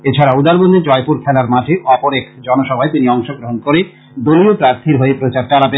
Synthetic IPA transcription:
et͡ɕʰaɾaud̪aɾbond̪id͡ʑɔepuɾkʰɛlaɾmaʈʰeʔɔpoɾekd͡ʑɔnoʃɔbʱaet̪iniɔŋʃoɡɾoɦonkoɾe | d̪oliopɾaɾt̪ʰiɾɦoepɾot͡ɕaɾt͡ɕalape

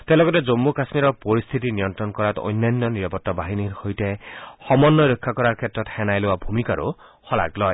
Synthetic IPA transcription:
t̪elɔɡɔted͡zomːukasmiɾɔɹpɔɾist̪ʰit̪inijɔnt̪ɾɔnkɔɾat̪o̰jnanːɔniɾapɔt̪ːabaɦiniɾhojtehɔmɔnːɔɾɔkʰːakɔɾaɾkʰetɾɔt̪hɛnajlowabʱumikaɾṵ | hɔla̰ɡlɔj

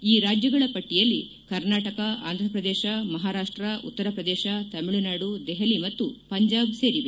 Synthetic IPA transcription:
iːɾaːd͡ʒjɐɡɐɭɐpɐʈːijɐlːi | kɐɾnaːʈɐkɐʔa̰ːnd̪ʱɾɐpɾɐd̪ɛːʃɐmɐɦaːɾaːʂʈɾɐṵt̪ːɐɾɐpɾɐd̪ɛːʃɐt̪ɐmiɭunaːɽud̪ɛɦɐlimɐt̪ːupɐɲd͡ʒaːbse̞ːɾiʋe

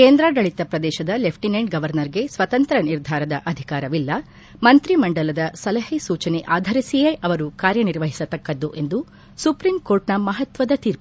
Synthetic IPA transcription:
keːnd̪ɾaːɡɐɭit̪ɐpɾɐd̪ɛːʃɐd̪ɐlepʰʈinɐɳɖ̚ɡɐʋɐɾnɐɾiɡe̞sʋɐt̪ɐnt̪ɾɐniɾd̪ʱaːɾɐd̪ɐʔɐd̪ʱikaːɾɐʋilːɐ | mɐnt̪ɾimɐɳɖɐlɐd̪ɐsɐlɐɦisuːt͡ʃɐneʔaːd̪ʱɐɾisijeːʔɐʋɐɾukaːɾjɐniɾʋɐɦisɐt̪ɐkːɐd̪ːuʔe̞nd̪u | supɾimkoːɾʈnɐmɐɦɐt̪ʋɐd̪ɐt̪iːɾ

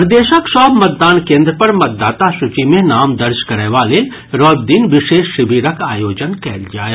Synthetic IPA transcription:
pɾd̪eːʃəkʃɔːbmɐt̪̚d̪aːnkẽːnd̪ɾəpɐɾmɐt̪̚d̪aːt̪aʃʊt͡ʃimẽnaːmd̪ɐɾd͡ʒkɐɾeʋaːle | ɾɔːd̚d̪iːnʋɪʃeːʃːɪʋiːɾəkaːjoːd͡ʒənkɛːld͡ʒaːja

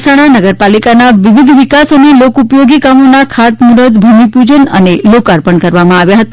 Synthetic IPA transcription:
saɽ̃anəɡəɾpalikanaʋiʋid̪ʱʋikasənelokupjoɡikamonakʰat̪muɾəd̪bʱəmipud͡ʒənə̰nelokaɾpəɳkəɾʋamãaʋjaɦət̪a

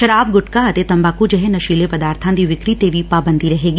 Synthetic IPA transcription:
ʃɐɾaːb̚ɡʊʈkaɐt̪et̪ɐ̃mbaːkud͡ʒɐɦɛ̃nɐʃiːlepɐd̪aːɾt̪ʰãnd̪iʋɪkɾit̪eːʋipaːbə̃nd̪ʱiɾɐɦeːɡiː

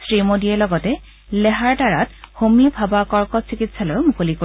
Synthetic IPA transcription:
sɹimodiɛlɔɡɔtɛ | lɛɦaɹtaɹatxomiabʱabakɔɹkɔtsikitsalɔjmukoliko

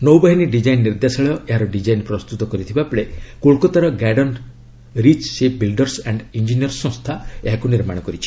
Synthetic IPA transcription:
nowbaɦiniɖid͡ʒajnːiɾd̪asɔɭɔjɔʔeɦaɾɔɖid͡ʒajnpɾɔst̪ut̪ɔkɔɾit̪ʰibapɔɭekoɭkɔt̪aɾɔɡaɖɔn | ɾit͡ʃsep̚bilɖɔɾsaɳɖind͡ʒinijɔɾsɔ̃st̪ʰaeɦakuniɾmaɽ̃ɔkɔɾit͡ʃʰi̥

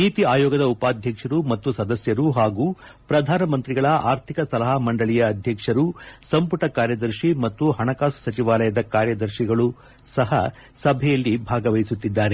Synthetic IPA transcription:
niːt̪iaːjɔːɡɐd̪ɐupaːd̪ʱjɐkʂɐɾumɐt̪ːusɐd̪ɐsjɐɾuɦaːɡuː | pɾɐd̪ʱaːnɐmɐnt̪ɾiɡɐɭɐʔaːɾt̪ʰikɐsɐlɐɦɐmɐɳɖɐɭijɐːd̪ʱjɐkʂɐɾusɐmpuʈɐkaːɾjɐd̪ɐɾʃimɐt̪ːuɦɐɳɐkaːsu̥sɐt͡ʃiʋaːlɐjɐd̪ɐkaːɾjɐd̪ɐɾʃiɡɐɭu | sɐɦɐ | sɐbʱɛjɐlːibʱaːɡɐʋɐjisut̪ːid̪ːaːɾe

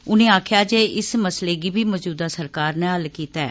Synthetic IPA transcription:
ʊnẽːaːkʰjaːd͡ʒeːɪsməsleːɡiːbʱiːmɔːd͡ʒuːd̪aːsəɾkaːɾnẽːɦəlkiːt̪aɛ̰ː

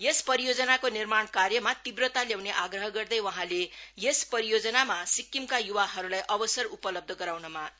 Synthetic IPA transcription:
jespʌɾijod͡zʌnakonirmaɳkarjʌmat̪ibrʌt̪aljawneʔaɡrʌɦʌɡʌrd̪ʌjwʌɦãlejespʌɾijod͡zʌnamasikːimkajuwaɦʌɾulajʔʌbʌsʌrupʌlʌb̚d̪ʱʌɡʌɾawnʌma

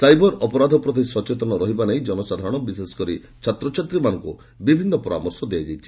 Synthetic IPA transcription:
sajbɔɾɔpɔɾad̪ʱɔpɾɔd̪isɔt͡ʃet̪ɔnɔɾɔɦibaneĩd͡ʒɔnɔsad̪ʱaɾɔ̃ɽ̃ɔbisesɔ̥kɔɾi | t͡ʃʰat̪ɾɔt͡ʃʰat̪ɾimanɔŋku | bibʱinːɔpɔɾa̰mɔɾsɔd̪ead͡ʒajt͡ʃʰi̥

